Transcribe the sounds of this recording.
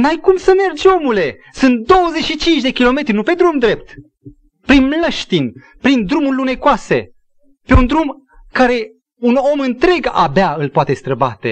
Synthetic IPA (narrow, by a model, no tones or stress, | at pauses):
majkumsəme̞rd͡ʒo̞mule̞ | sɨnt̪̚d̪o̞wəzet͡ʃʃit͡ʃint͡ʃd̪e̞kʲilo̞me̞t̪ɾʲinupe̞d̪ɾumd̪ɾe̞p̚t̪ | pɾinmləʃt̪in | pɾind̪ɾumurʲlune̞koase̞̰ | pe̞und̪ɾum | kaɾe̞ | uno̞mɨnt̪ɾe̞ɡa̰beaɨlpoat̪e̞st̪ɾəbat̪e̞̰